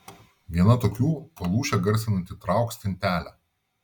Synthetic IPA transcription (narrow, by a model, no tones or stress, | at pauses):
ʋʲiɛnɐt̪oːkʲuːpɐlˠuːʃʲɛɡɐɾʲsʲɪnɐnʲt̪ʲɪt̪ɾɑˑʊksʲt̪ʲɪnʲt̪ʲæːlʲæ